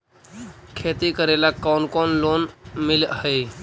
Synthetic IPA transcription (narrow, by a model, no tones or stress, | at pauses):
kʰeːt̪ikəɾelakawnkonloːnmɪləɦe